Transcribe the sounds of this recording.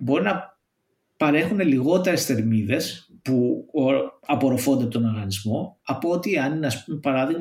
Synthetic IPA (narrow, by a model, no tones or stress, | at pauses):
bo̞ɾinɐ | pɐɾe̞xune̞liɣo̞t̪e̞ɾe̞st̪e̞ɾmiðe̞spu | ɐpo̞ɾofo̞nd̪eɐpot̪onɐɾɣɐnizmo̞ɐpoot̪ieɐninɐspmpɐɾɐðiɣ